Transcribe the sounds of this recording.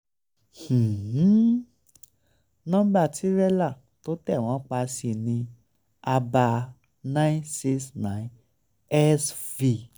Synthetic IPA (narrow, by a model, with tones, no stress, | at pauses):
h̩˨˦ | nũ˦ɡ͡ba˦˨ti˨˦ɾɛ˦la˦˨ | to˨˦tɛ˦˨w̃ɔ̃˨˦k͡pa˧si˧˨nĩ˧ | a˧ba˧ | nã˦ĩ˦se˦snã˨˦ | ɛ˦svi˧˨